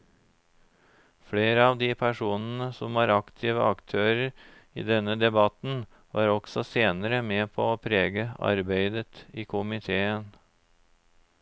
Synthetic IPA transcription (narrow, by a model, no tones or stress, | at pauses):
fɽeːɾəɑːʋd̪iːpʰæʂuːnn̩əsɔ̰mʋɑːɾɑkt̪ʰɪʋəʔɑkt̪ʰøːɾəɾ | ḭːd̪ɛnəd̪ɛbɑt̪n̩ | ʋɑ̰ːɾɔɡ̥sɔseːnəɾəmeːpʰoːoːpʰɾeːɡəɑ̰ɾbeɪd̪ət̪iːkʰʊmɪt̪ʰeːən